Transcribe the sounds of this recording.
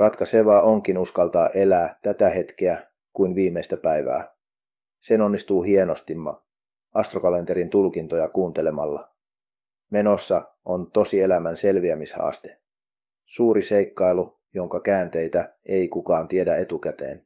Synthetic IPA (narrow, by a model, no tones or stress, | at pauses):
rɑt̪kɑse̞ʋɑːʔo̞ŋk̟inuskɑlt̪ɑːʔe̞læːt̪æt̪æhe̞t̪k̟eæ | kuinʋiːmːe̞st̪æpæjʋæ̰ː | se̞no̞nːist̪uːɦie̞no̞st̪imːɑ̰ | ɑst̪rokɑle̞nt̪eɾint̪ulkint̪o̞jɑkuːnt̪ele̞mɑlːɑ̰ | me̞no̞sːɑ | ont̪o̞sie̞læmænse̞lʋiæmishɑ̰ːst̪e̞̥ | suːɾise̞jkːɑjlu | jo̞ŋkɑkæːnt̪e̞jt̪æe̞ikukɑːnt̪ie̞dæet̪ukæt̪e̞̰ːn